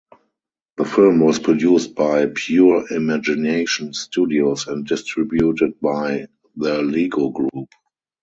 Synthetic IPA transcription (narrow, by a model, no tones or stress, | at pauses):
ðəfɪlmwɔspʰɹɔdjuːst̚baɪpʰjuɹimæd͡ʒɪneɪʃɔ̃nstudiosɛ̃nt̚dɪstɹɪbjutɪd̚baɪ | ðəliːɡoɡɹuːp